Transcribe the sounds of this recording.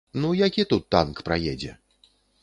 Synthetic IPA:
nujakʲit̪ut̪ːa̰nkpɾajɛd͡zʲɛ̰

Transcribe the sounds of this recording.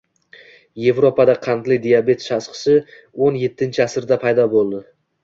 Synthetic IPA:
je̞vɾopʰad̪aqʰɑnd̪lɪd̪ijabe̞t̪ʃasqɨ̥sɪ | onje̞t̪ʰːɪnt͡ʃʰɪasɪɾd̪apʰajd̪ɒbolˠd̪ɪ

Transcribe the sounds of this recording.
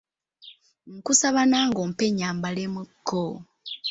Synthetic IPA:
ŋ̩kusaβanaːŋɡompeɲaːmbalemukʰːo

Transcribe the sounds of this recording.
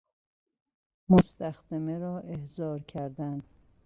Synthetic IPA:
most̪æxd̪̥emeɾɒːʔehzɒːɾcʰæɾd̪æn

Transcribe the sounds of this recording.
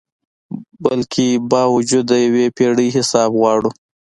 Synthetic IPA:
balkʰebɑwʊd͡ʒud̪ːəjawepeɽəjɦɪsɑbɣwɑɽu

